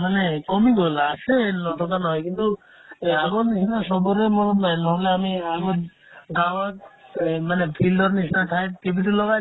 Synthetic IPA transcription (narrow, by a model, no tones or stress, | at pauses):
manekɔmiɡolaʃenɔt̪ʰot̪anɔjkint̪u | aɡot̪niʃnaʃɔboɾemoajnɦoleamiaɡot̪ | ɡawa | manepʰildoɾniʃnaʈ̪ʰaj̚keb̬it̪ulɔɡa